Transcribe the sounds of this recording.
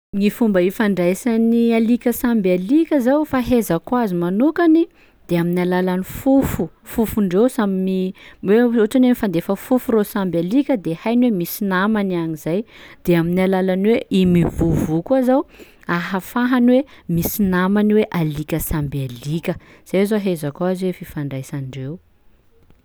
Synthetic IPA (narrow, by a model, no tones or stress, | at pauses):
ŋifumbəifaɳɖ͡ʐajsanialikʲəsambalikʲəzawfaɦezəkwazimanukani | d̪̥eaminalalanifufu | fufuɳɖ͡ʐewsamimiweoʈ͡ʂanemifand̪efəfufuɾosambalikʲəd̪ehajnwemisinamanaŋizajd̪̥eaminalalaniweimivuvukuazaw | aɦafaɦanwemisinamaniweʔalikʲəsambalikʲəz̥azoɦezakwaziwefifaɳɖ͡ʐajsanɳɖ͡ʐew